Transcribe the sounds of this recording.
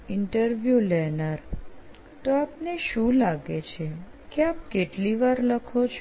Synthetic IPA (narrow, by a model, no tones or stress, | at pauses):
ɪɳʈəɾʋjulɛnəɾ | t̪oapneʃũlaɡet͡ʃʰe | keap̚keʈliʋaɾləkʰot͡ʃʰ